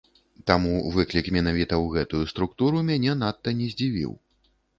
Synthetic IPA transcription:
t̪amuvɨklʲikmʲɛn̪avʲit̪ɐwɣɛt̪ujust̪ɾuk̚t̪uɾumʲanʲɛnat̪ːɐnʲɛzʲd͡zʲivʲḭw

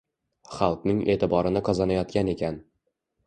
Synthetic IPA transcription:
χalˠqnɪŋʔe̞̰ːt̪ɪbɒɾɪnɪqʰɒzanajɒt̪̚kʲane̞kʲʰan

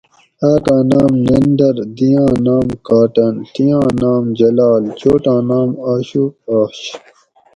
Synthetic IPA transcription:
aːkãːnaːmnɐnɖɐɾd̪ijãːnaːmkaːʈɐnt̪ijãːnaːmd͡ʑɐlaːlt͡ɕoːʈãːnaːmaːɕuːaːɕ

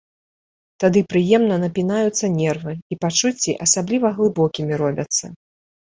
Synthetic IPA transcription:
t̪ad̪ɨpɾɨjɛmnɐnɐpʲinajut̪sːɐnʲɛrvɨipat͡ʂut͡sʲːiʔɐsablʲivɐɣlˠɨbɔkʲimʲiɾɔbʲɐt̪sːɐ̰

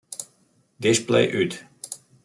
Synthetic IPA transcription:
d̪ɪʃplḛɪʔʉːt̪

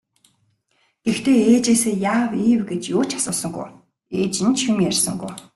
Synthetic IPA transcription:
ext̪ʰeːeːt͡ɕeːseːjaːwiːwɡet͡ɕjoːt͡ɕʰḁsʊːsə̆ŋɡṵj | eːt͡ɕɪ̆nt͡ɕxumjærʲsə̆ŋɡṵj

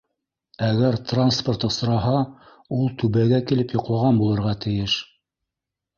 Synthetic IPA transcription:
æɣæɾt̪ransport̪ɤ̆sɾɑɦɑ | ulˠt̪ʉβæɡækilɘpjŏqlˠɑʁɑnbulˠɤ̆ɾʁɑt̪ɘ̆jɘʃ

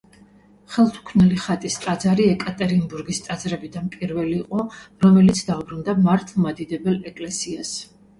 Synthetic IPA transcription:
χɛlˠt̪ʰu̥kʰvnɛliχat̪ʼist̪ʼad̪zaɾiɛkʼat̪ʼɛɾimbuɾɡist̪ʼad̪zɾɛbid̪anpʼiɾvɛliːqʼɔɾɔmɛlit̪sʰd̪aubɾund̪amaɾt̪ʰlˠmad̪id̪ɛbɛlɛkʼlɛsias

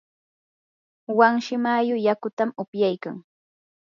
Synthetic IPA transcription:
waŋʃɪmajʊjakʊt̪amʊpjajka̰ŋ

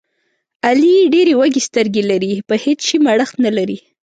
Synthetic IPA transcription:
alieɖeɾewaɡest̪əɾɡelaɾipəhet͡sʃimaɽəxt̪nalaɾi

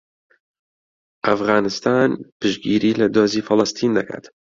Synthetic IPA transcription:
ʔɐfɣɑːnɨst̪ʰaːnpɨʃɡiːɾiːlɐd̪oːziːfɨlˠɨst̪ʰiːnd̪ɐkʰa̰ːt̪

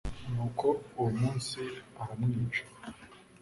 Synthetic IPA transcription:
nuːkʰouwumuːnsiahamŋiːt͡ʃo̥

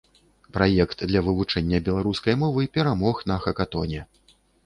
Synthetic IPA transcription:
pɾajɛkt̪d̪lʲɐvɨvut͡ʂɛnʲːɐbʲɛlˠaɾuskɐjmɔvɨpʲɛɾamɔxnɐxɐkat̪ɔnʲɛ

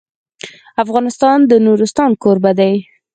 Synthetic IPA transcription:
afɣɑnɪst̪ɑnd̪ənuɾɪst̪ɑnkoɾbad̪aj

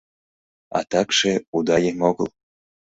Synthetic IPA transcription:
ɑ̰t̪ɑkʃeud̪ɑjemoɡəlˠ

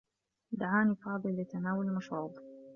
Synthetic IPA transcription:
d̪aʕaːnifɑːd̪ˤɨlːɪt̪anaːwʊlmaʃɾuːb̪

